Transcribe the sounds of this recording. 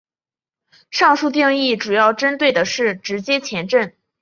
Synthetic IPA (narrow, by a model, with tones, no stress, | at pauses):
ʂɑ˥˧ŋʂu˥˧t̪̬i˥˧ŋi˥˩ʈ͡ʂu˨˩jɑ˥˩ʊʈ͡ʂə˥nt̪we˥˩ɪd̪ə˩ʂɻ̩˥˩ʈ͡ʂɻ̩˧˥t͡ɕjɛ˥t͡ɕʰjɛ˧˥nʈ͡ʂə˥˩n